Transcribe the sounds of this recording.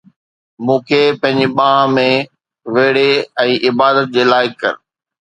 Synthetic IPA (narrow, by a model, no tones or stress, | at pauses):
mũːkʰeːpɐ̃ɦɪ̃ɲd͡ʑiɓãːãmẽ | ʋeːɽeɛ̃ːʔɪbaːd̪ət̪̚d͡ʑeːlaːɪkːɐ̰ɾ